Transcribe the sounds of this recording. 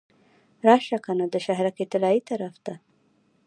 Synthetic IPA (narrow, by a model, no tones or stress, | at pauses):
ɾɑʃakanod̪əʃaɦɾaket̪ɪlɑit̪aɾafd̪a